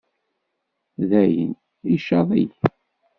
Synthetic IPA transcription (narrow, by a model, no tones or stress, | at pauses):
ðæjə̰n | iʃɑðˤij